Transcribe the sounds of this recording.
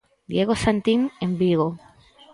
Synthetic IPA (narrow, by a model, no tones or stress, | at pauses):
d̪jeɣosant̪imembiɣo